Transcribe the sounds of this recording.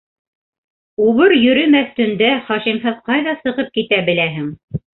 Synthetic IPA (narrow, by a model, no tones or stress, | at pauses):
uβɤɾjɵ̆ɾɘmæθt̪ɵ̆nd̪æχɑʃimɦɤðqɑjðɑsɤ̆ʁɤp̚kit̪æbɘ̆læɦɘŋ